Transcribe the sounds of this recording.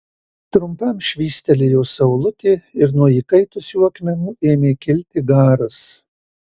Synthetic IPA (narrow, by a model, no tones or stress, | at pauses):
t̪ɾʊmpɐmʃʲʋʲiːsʲt̪ʲɛlʲejoːsɐʊlˠʊt̪ʲeːɪɾnuɔiːkɐɪt̪ʊsjuːɐkmʲɛnʊeːmʲeːkʲɪlʲt̪ʲɪɡɑːɾʊs